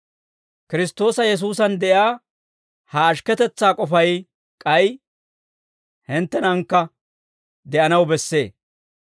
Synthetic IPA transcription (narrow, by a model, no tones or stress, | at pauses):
kɪɾɪst̪ːo̞ːsɐjɛs̬uːs̬ɐnd̪ɛʔjaː | hɐːʃkɛt̪ɛt͡sːaːkʼɔfɐj | kʼɐj | hɪnt̪ːɛnɐŋkːɐ | d̪ɛʔɐnɐwbɛsːe̞ː